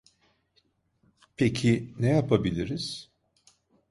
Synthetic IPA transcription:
pʰecʰinɛjapabilʲiɾiz̥

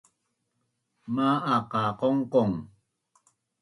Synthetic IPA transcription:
maaqɑqoŋqoŋ

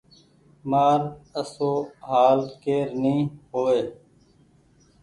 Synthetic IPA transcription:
maːɾəsoːɦaːlt̪keːɾnĩːɦoːeː

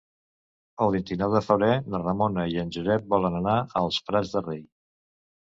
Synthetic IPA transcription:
əlˠβ̞int̪inɔwðəfəβɾenərəmonəiənʲʒuzɛt̪̚bɔlənənaəlˠspɾazðərej

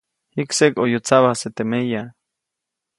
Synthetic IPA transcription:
hiksekojot͡saβaset̪emeja

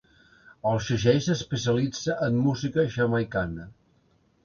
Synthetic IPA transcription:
əlˠʃəʒɛjsəspəsjəlid͡zəʔəmːuzikəʃəmajkanə

